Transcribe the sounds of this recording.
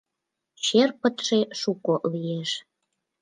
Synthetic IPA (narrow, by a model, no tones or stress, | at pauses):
ɕerpə̆t̪ʃeʃukolijeʃ